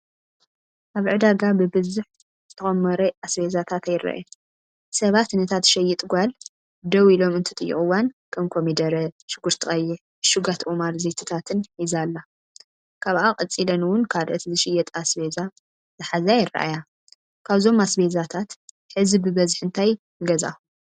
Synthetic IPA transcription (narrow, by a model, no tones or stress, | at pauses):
ʔaβʕɨd̪aɡabɨbɨzuħ | zɨt̪ʰɐxʼɐmːɐɾɐʔasbezat̪ʰat̪ajɪrːa̰ʔa̰ja | sɐβat̪nɐt̪ʰat̪ʃɐjɛt̪ʼɡʷal | d̪ɐwilo̞mɨnt̪ʰɨt̪ʼɨjːɪ̰χʼɨwankʰɐmkʰomid̪ɐɾɐʃɨɡuɾt̪ʰɨxʼɐjːɛ | ʃuɡat̪ʰomaɾzet̪ʰɨ̥t̪ʰat̪ʰɨnħizalːa | kʰaβʔakʼɐt͡sʼilɐnwʊnkʰad̪ʔɐt̪ʰzɨʃɪjɛt̪ʼasbeza | z̥ɨħazɐjɪra̰ʔaja | kʰaβzo̞masbezat̪ʰat̪ | ħɨzibɨbɐzħɨnt̪ʰajnɨɡɐza̰u